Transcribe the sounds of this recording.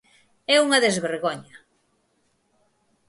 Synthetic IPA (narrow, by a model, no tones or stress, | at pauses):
ɛuŋɐðezβeɾɣoɲɐ